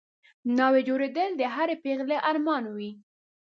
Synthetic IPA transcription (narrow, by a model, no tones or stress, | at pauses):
nɑwed͡ʒoɾed̪əld̪əɦaɾepeɣleʔaɾmɑnwi